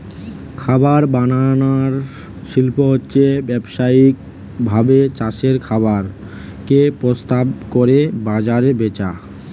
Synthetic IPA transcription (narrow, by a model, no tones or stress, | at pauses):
kʰabaɾbananaɾ | ʃilpoɦotːɕʰebɛbʃaik | bʱabet͡ɕaʃeɾkʰabaɾ | kepɾost̪abkoɾebad͡ʑaɾebet͡ɕa